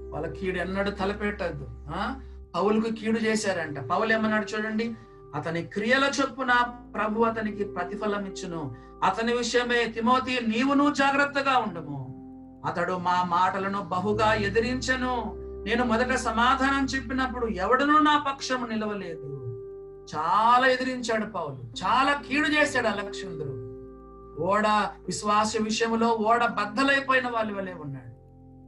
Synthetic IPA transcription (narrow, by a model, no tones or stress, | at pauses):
ʋɐ̰ːlːɐkʰiːɽɛnːɐɽut̪ʰɐlɐpɛːʈːɐd̪ːuaː | pɐwulɐkukiːɽut͡ʃɛːsaːɾɐɳʈaːpɐwuleːmɐnːɐɽut͡ʃuːɽɐɳɖi | ɐt̪ɐnikɾijɐlɐt͡ʃe̞pːunɐpɾɐbʱuɐt̪ɐnikipɾɐt̪ipʰɐlɐmit͡ʃːɐnu | ɐt̪ɐniʋiʂɐjɐmeːt̪imo̞ːt̪iːniːʋunuːd͡ʒaːɡɾɐt̪ːɐɡaːuɳɖɐmu | ɐt̪ɐɽumaːmaːʈɐlɐnubɐɦuɡaːed̪iɾiɲt͡ʃɐnune̞ːnumɔd̪ɐʈɐsɐmaːd̪ʱaːnɐmt͡ʃe̞pːinɐp̬ːuɽuɛʋɐɽɐnuːnaːpɐkʂɐmnilɐʋɐle̞ːd̪u | t͡ʃaːlaːe̞d̪iɾiɲt͡ʃaːɽupɐwulut͡ʃaːlaːkiːɽut͡ʃeːsaːɽɐlɐkʂɐnd̪ɾu | ɔːɽɐʋiʃʋaːsjɐʋiʂɐjɐmloːɔːɽɐbɐd̪ʱːɐlɐjpoːjinɐʋaːɭːiʋɐleːunːaːɽu